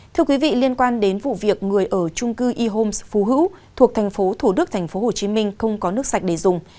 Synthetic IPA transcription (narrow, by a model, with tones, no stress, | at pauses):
t̪ʰɨ˧əkwi˨˦vḭ˧˨li˧ənkwaː˧nɗe˨˦nvṵ˧˨vi˨˩ək̚ŋɨ˨˩əjʔəː˧˩t͡ɕʊ˧ŋ͡mkɨ˧ʔi˧ɦo˧msfu˨˦ɦɨ̰˧˥w | t̪ʰu˨˩ək̚t̪ʰa˨˩jŋ̟fo˨˦t̪ʰu˧˩ɗɨ˦˥k̚t̪ʰa˨˩jŋ̟fo˨˦ho˨˩t͡ɕi˨˦mï˧ŋ̟xə˧wŋ͡mkɔ˨˦nɨ˦˥ək̚sa˨˩jk̚ɗe˧˩zʊ˨˩ŋ͡m